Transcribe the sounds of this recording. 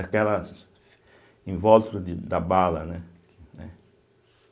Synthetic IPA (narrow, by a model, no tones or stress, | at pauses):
akɛlɐs | ĩvɔlt̪ud̪ɪd̪abalɐnɛkɪnɛ̰